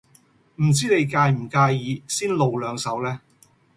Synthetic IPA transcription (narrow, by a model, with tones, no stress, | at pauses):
m̩˨˩t͡siː˥ne˨˧jkaː˧jm̩˨˩kaː˧jiː˨˧siː˥nlo˨˧wlœː˨˧ŋsɐ˨˧˥wlɛː˥